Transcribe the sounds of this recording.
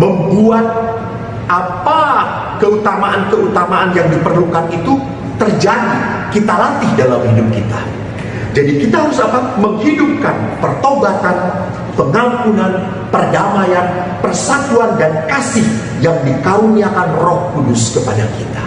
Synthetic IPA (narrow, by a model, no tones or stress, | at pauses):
məmbuat̪̚ | ʔapa | kəut̪amaʔankəʔut̪amaʔanjaŋdipərlukanit̪u | t̪ərd͡ʒadi | kit̪alat̪ɪhdalamhidʊp̚kit̪a | d͡ʒadikit̪aɦaɾʊsakanməŋhidʊp̚kanpərt̪obat̪an | pəŋampunan | pərdamajan | pərsak̪uandankasɪh | jaŋdikaɾuniakanrɔhkudʊskəpadakit̪ḁ